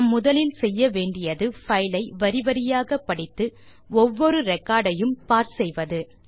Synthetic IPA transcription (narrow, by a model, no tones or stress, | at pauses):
mːʊðɐlɪlsɛjːɐʋeːɳɖɪjɐðɯfɐjlɐɪʋɐɾɪʋɐɾɪjaːɣɐpːɐɽɪt̪ːɯ | ɔʋːɔɾɯɾɛkːaːɽɐjɯmpaːɾsɛjʋɐðɯ